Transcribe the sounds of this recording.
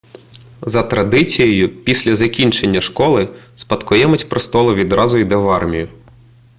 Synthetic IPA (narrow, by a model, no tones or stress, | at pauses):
zɐt̪ɾɐd̪ɪt͡sʲijɔjʊpʲisʲlʲɐzɐkʲinʲt͡ʃe̞nʲːɐʃkɔlˠɪspɐt̪kʊjɛmʊtʲpɾɔst̪ɔlˠʊʋʲid̪ɾɑzʊid̪ɛʋɑrmʲijʊ